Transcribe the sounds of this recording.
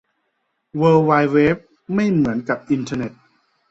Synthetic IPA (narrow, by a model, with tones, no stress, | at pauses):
wɤː˧waː˧jweː˦˥p̚ | ma˥˩jmɯ˩˦ənka˨˩p̚ʔi˧nt̪ʰa˧ne˨˩t̪̚